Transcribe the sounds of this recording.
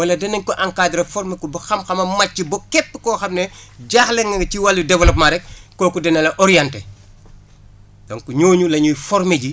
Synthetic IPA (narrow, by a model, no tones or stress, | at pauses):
wɐlɐdɛnɛnkɔʔɐŋkaːɟɾɐfɔɾmekɔbɐxɐmxɐmɐmɐt͡ʃːibɔkɛpːə̥kɔːxɐmnɛɟaːxlɛŋɐŋt͡ʃiwalːjudɛvɐlɐp̚maɾɛk̚kːɔːkudɛnɐlɐʔɔɾijɐntɛ | dɔŋkuɲoːɲulɐɲujfɔɾmeɟi